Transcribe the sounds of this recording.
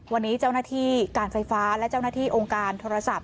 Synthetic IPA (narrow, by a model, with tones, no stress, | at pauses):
wa˧nːiː˦˥t͡ɕaː˥˩wnaː˥˩t̪ʰiː˥˩kaː˧nfa˧jfaː˦˥lɛ˦˥ʔt͡ɕa˥˩wnaː˥t̪ʰiː˥˩ʔoː˧ŋkaː˧nt̪ʰoː˧ɾa˧sa˨˩p̚